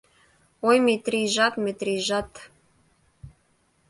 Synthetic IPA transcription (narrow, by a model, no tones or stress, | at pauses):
ojmet̪rʲiʒɑt̪mʲet̪rʲiʒɑt̪